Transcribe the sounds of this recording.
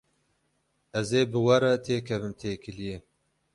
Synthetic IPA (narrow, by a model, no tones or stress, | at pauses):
ɛzeːbɨwɐɾɛt̪ʰeːkʰɛvɨmt̪ʰeːkʰɨlije